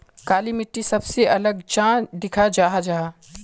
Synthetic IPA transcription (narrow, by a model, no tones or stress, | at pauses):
kaːlimɪʈːisɐbseʔɐləɡt͡ʃãːd̪ɪkʰad͡ʒaːɦad͡ʒaːɦa